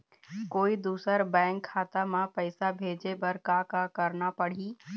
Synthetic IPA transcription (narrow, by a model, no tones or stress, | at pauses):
koːid̪uːsəɾbɛ̃ːŋkʰːaːt̪amãpəɪsabʱeːd͡ʒebɐɾkakakəɾnapəɽ̤iː